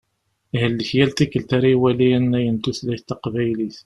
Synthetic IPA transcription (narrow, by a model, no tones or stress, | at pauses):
ihəlːəçjælt̪ikːəlt̪aɾiwæliænːæjənt̪uθlæçt̪ːɑqvæjliθ